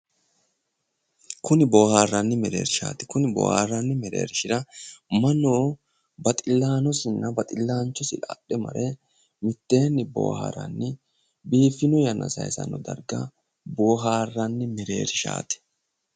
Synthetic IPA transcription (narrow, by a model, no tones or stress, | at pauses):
kʊnɪboːhaːrːɐnːɪmɛɾe̞̰ːɾɪʃa̰ːt̪ɪ̥kʊnɪbo̰ːha̰ːrːɐnːɪmɛɾe̞̰ːɾɪʃɪɾɐmɐnːoː | bɐt̪ʼɪlːaːnɔsɪnːɐbɐt̪ʼɪlːaːnt͡ʃːɔsɪᶑaːɗːɛmɐ̰ɾʔɛ | mɪt̪ːeːnːɪbo̰ːha̰ɾɐ̰nːɪ | biːfːɪnɔjɐnʔɐ̰sɐ̰jsɐ̰nːɔd̪ɐ̰ɾɡɐ̰ | boːɦaːrːɐnːɪmɛɾe̞̰ːɾɪʃa̰ːt̪ɪ̥